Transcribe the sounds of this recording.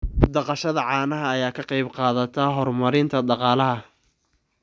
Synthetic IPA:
d̪ɑqɑʃɐðɐʕɑːnɐɦɐːjaːkʰɐqɑjbqɑːðɐt̪ʰaɦɔrmɐɾɪnt̪ʰɐɖɑqɑːlɐɦɐ

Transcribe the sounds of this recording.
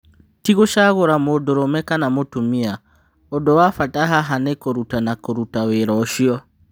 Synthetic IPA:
tiɣoʃaɣoɾamodoɾomɛkanamotumia | odowafatʼaɦaɦanekoɾutanakoɾutaweɾɔʃiɔ

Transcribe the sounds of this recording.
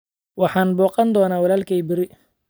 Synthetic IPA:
wɑħɑːnbɔːqɑnd̪ɔːnaːwɑlaːlkʰɛjbɪɾɪ

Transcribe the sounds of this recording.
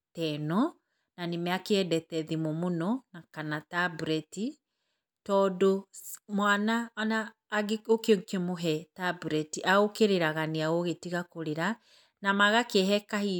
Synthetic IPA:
tɛnɔ | nanemɛakeɛdɛtɛðimomonɔnakanatabuɾɛti | tɔdomwananaː | ɡokeokemoɦɛtabuɾɛtiʔaokeɾeɾaɣaneaoɣetiɣakoɾeɾa | namaɣakːɦɛkahi

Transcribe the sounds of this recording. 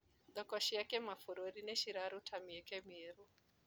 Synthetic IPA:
d̪ɔkɔʃiakɛmafuɾoɾinɛʃiɾaɾutʰamiɛkɛmeɾu

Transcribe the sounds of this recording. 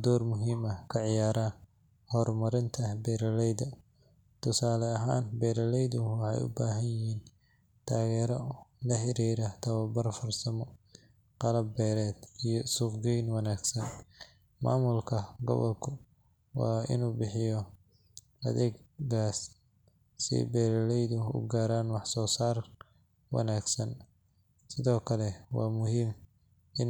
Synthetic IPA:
d̪ɔːrmʊɦiːmɐkʰɐʕɪjaːɾa | hɔrmɐɾɪnt̪ʰɐbɛːɾɐlɛjd̪ɐ | t̪ʰʊsaːlɛɐɦaːnbɛːɾɐlɛjðʊwɑħɑ̰jʊ̰baːɦɐnjɪɦiːn | t̪ʰaːɣɛːɾɔlɐħɪɾiːɾɐt̪ʰɐwɐbɐrfɐrsɐmɔ | qɑlɐbːɛːɾɛːd̪ijɔsʊqɡɛjnwɑnaːɡsɐn | ma̰ːmʊlkʰɐɡɔ̰βɔ̰lkʰʊ | wɑ̰ːɪ̰nuːbɪħɪjɔ | ɐ̰ðɛːɡɡaːsː | ɪ̰bɛːɾɐlɛjðʊʊ̰ɡaːɾaːnwɑħsɔːsaːr | wɑ̰naːɡsɐn | sɪðɔːkʰɐlɛwɑːmʊɦiːm | ʔɪn

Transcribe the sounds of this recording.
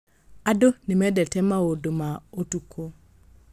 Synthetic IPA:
adonemɛdɛtɛmaodomaotukʰo

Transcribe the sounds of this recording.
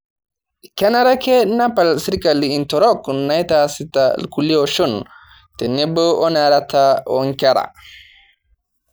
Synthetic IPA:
kanaɾakɛnapalsiɾkaliintɔɾɔknajtasita̰lkuliɔʃɔn | tɛnɛbɔɔnaɾatʰaɔ̰ŋkaɾa̰

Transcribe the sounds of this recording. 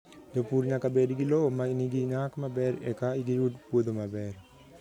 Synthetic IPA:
d͡ʒopuɾɲakabediɡilomaniɡiɲakmabɛɾɛ̰kaiɡijudpod̪omabɛɾ

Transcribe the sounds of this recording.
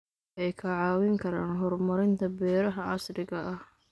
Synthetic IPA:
ʔɛjkʰɐʕɑːwɪŋkʰɐɾaːnɦɔrmɐɾɪnt̪ʰɐbɛːɾɐɦɐɑsɾɪɣɐʔɐh

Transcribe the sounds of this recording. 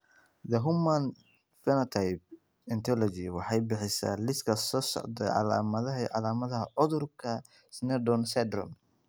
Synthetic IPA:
d̪ɐɦʊmːan | fɛnɐt̪ʰajb̚ | ɛnt̪ʰɔlɔd͡ʒiwɑħɑjbɪħɪsa̰ːlɪskʰɐsɔːsɔ̰ʕd̪ɐʕɑ̰la̰ːmɐðɐɦɐʕɑlaːmɐðɐɦɐʕʊðʊrkʰɐ | snɛdɔnsɛd̪ɾɔm

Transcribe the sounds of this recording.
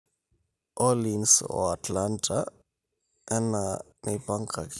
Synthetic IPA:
ʔɔlinsɔ̰atlantʰa | ɛna | nipaŋkʰak

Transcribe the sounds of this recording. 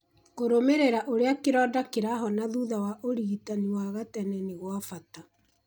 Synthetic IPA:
koɾomeɾeɾaʔoɾeakeɾɔːdakeɾaɦɔnaðuðawaʔoɾiitaniwaɣatɛnɛneɣwafata

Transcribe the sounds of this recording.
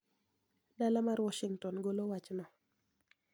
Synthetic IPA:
dalamaɾwɔʃiŋtɔnɡolowat͡ʃnɔ

